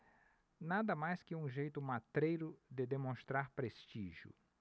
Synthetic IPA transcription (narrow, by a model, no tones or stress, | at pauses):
nad̪ɐmajskɪũʒejt̪ʊmat̪ɾejɾʊd̪ɪd̪emõst̪ɾaɾpɾest͡ʃiʒjʊ̰